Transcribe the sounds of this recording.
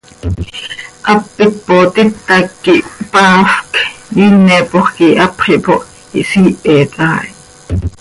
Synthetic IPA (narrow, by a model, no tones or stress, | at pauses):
ʔɑpːik̚pot̪ɪt̪ːɑkːiʔpɑːfkjiːnɛpoχkiʔɑpχiʔpoʔ | ḭʔsiːʔɛt̪ɑːʔi